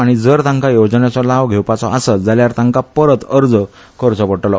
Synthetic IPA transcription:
aɽ̃id͡zəɾt̪ãŋkajod͡znat͡sɔlaʋɡʱewpat͡sɔʔasəd͡zaljaɾt̪ãŋkapəɾət̪əɾd͡zə | kəɾt͡sɔpəɽʈlɔ

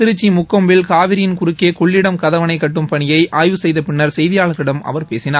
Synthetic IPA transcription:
tɪɾɯt͡ʃːimʊkːɐmbɪlkaːʋɪɾɪjɪnkʊɾɯkːeːkɔɭːɪɽɐmkɐðɐʋɐnɐɪkːɐʈːɯmpɐɳɪjɐɪʔaːjʋɯsɛjðɐpɪnːɐɾsɛjðɪjaːɭɐɣɪɽɐmɐ̰ʋɐɾpeːsɪnaːɾ

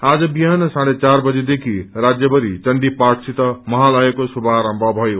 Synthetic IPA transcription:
ad͡zʌbiɦansãɽet͡saɾbʌd͡zed̪ekʰiɾad͡zjʌbʌɾit͡ʃʌɳɖipaʈsʰit̪ʌmʌɦalajekosubʱaɾambʱʌbʱʌjo

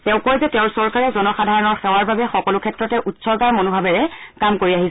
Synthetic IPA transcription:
tɛʊ̃kojzɛtɛʊ̃ɹsɔɹkaɹɛzɔnɔxadʱaɹɔnɔɹxɛwaɹbabɛxɔkɔlʊkʰɛtɹɔtɛʔutsɔɹkaɹmonobʱabɛɹɛkamkoɹiaɦis

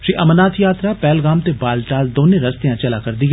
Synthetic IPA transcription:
ʃiʔɐmənaːt̪ʰjaːt̪ɾapɛːlɡaːmt̪ebaːlʈaːld̪oːnẽɾɐst̪ejãːt͡ʃɐlaːkɐɾd̪iːɦ

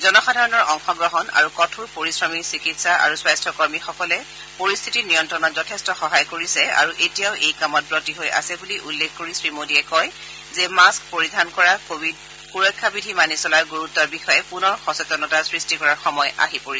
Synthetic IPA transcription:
zɔnɔxadʱaɹɔnɔɹɔŋxɔɡɹɔɦɔna̰ɹukɔtʰuɹpoɹisɹɔmiɹsikitsaʔa̰ɹuswajstʰɔkɔɹmixɔkɔlɛ | poɹist̪ʰitinijɔntɹɔnɔtzɔtʰestɔxɔɦajkoɹisɛa̰ɹuʔetijaʊʔejkamɔt̚bɹotiɦojʔa̰sɛbuliʔulːekʰkoɹisɹimodiɛkɔj | zɛmaskpoɹidʱankɔɹaoid | xuɹɔjkʰːabidʱimanisɔlaɹɡuɹutːɔɹbixɔjɛpunɔɹxɔsɔtɔnɔtasɹistikɔɹaɹxɔmɔja̰ɦipoɹisɛ

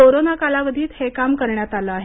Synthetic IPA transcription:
oɾonakalaʋəd̪ʱiːt̪hekamkəɾɳjat̪aləaɦe

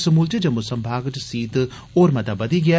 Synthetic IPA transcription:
sɐmuːlt͡ʃed͡ʒɐmusɐmbʱaːɡt̪siːt̪ | oːɾmɐt̪abɐd̪iɡɪa

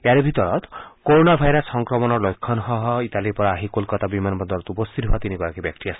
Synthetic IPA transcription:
eaɾebʱit̪ɔɾɔ̰t̪koɾonabʱajɾɔsːɔŋkɾɔmɔnɔɾlojkʰːɔnɔɦɔɦɔit̪aliɾpɔɾaaɦikolkɔt̪abimanbɔnd̪ɔɾɔt̪upɔst̪ʰit̪ɦoat̪inikɔɾakibjak̚t̪iasʰ

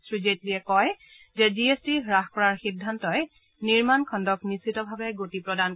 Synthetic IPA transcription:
sɹizetliɛkɔj | zɛziestiɹaxkɔɹaɹxidʱːantɔj | niɹmankʰɔndɔknisitɔbʱabɛɡotipɹɔdan

